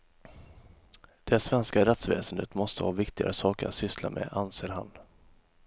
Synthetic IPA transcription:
d̪̥ɛsvɛnskaɾɛt̪svɛ̰ːsənd̪ət̪mɔst̪əhɑːvɪkt̪ɪɡa̰ɾəsɑːkəɾa̰t̪sʏslamʔɛ̰ːʔanseːɾɦa̰n

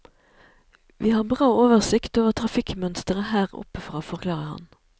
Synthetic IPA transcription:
ʋʔiːhɑːʁbʁɑːoːʋəʁsɪkt̪oːʋəʁt̪ʰʁɑfɪkmœnst̪əʁəhæːʁɔ̰pəfʁɑːfɔʁkʰlɑːʁəhɑ̰n

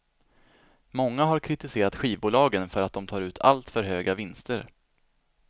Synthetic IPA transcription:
mɔŋːaɦaɾkʰɾɪt̪ɪseːɾat̪ɧiːvbuːlɑːɡənfœɾat̪̚d̪ɔmt̪ʰɑːɾʉ̟ːt̪ʰa̰lt̪fœɾɦøːɡavɪnst̪əɾ

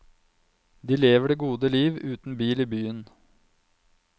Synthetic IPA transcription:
d̪iːleːʋəɖeːɡuːd̪əliːʋʉːt̪n̩biːliːbyːən

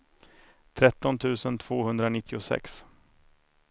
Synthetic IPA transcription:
t̪ʰɾɛt̪ːɔnt̪ʰʉ̟ːsənt̪ʰv̥oːhɵnd̪ɾanɪt̪ʰːɪʊsɛ̰ks

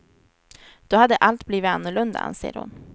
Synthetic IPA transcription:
d̪̥ɔhad̪ːəʔalt̪bliːvɪt̪anːɵɭɵnd̪a̰a̰nsḛːɾhʊ̰n

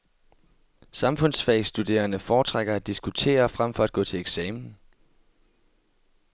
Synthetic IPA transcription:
sɑ̈mfɔ̽n̰sfɛsd̥ud̥e̝̰ːɐnəfɒːt͡sʰʁaɡ̥ɐæd̥isɡ̥ut͡sʰe̝̰ːɐfʁam̰fɒ̽æd̥̚ɡ̥ɔ̰̽ːt͡sʰe̝leɡ̥sɛːmn̩

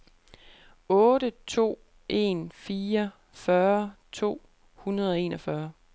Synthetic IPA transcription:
ɔ̽ːɾət͡sʰo̝̰ː | ʔe̝̰nfiːɐ | fɶɐt͡sʰo̝̰ː | hunɐð̞ˠɒ̽e̝̰ːnʔɒfɶɐ

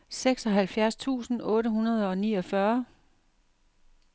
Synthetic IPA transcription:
seɡ̥sɒ̽ɦælfjæɐst͡sʰṵːsn̩ʔɔ̽ːɾəɦunɐð̞ˠɒ̽niːɒ̽fɶɐ

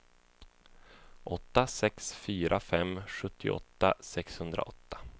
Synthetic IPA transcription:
ʔɔt̪ːasɛksfyːɾʔafɛmːɧɵt̪ʰːɪʔɔ̰t̪ːasɛkshɵnd̪ɾa̰ʔɔt̪ːḁ

